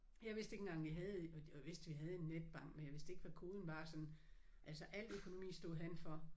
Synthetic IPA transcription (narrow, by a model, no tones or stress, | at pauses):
jɑ̈ɪʋe̝sd̥eɡ̥eŋɡ̥ɑ̈ŋʋiɦɛð̞̩ˠjʋe̝sd̥ʋiɦæð̞̩ˠe̝nːed̥̚b̥ɑ̈ŋ̰ɡ̥menjɑ̈ʋe̝sd̥e̝ɡ̥ʋækʰo̝ːð̞ˠn̩ʋɑ̈sɒ̽nn̩ | ʔælsɒʔæl̰økʰo̝no̝mḭːsd̥o̝ð̩ˠɦænfɒ̽